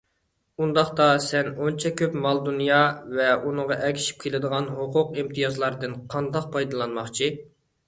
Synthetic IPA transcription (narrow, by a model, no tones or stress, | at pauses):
und̪ɑχt̪ɑsɛnont͡ʃʰɛkʲʰøpmɑlˠd̪unjɑvɛunɨŋʁɑʔɛkʲʰi̥ʃi̥p̚kʲʰelɪd̪əʁɑnɦoqʰʊqimt̪ʰɨjɑzlˠɑɾd̪ɨnqʰɑnd̪ɑq̚pʰɑjd̪ɨlˠɑnmɑχt͡ʃʰi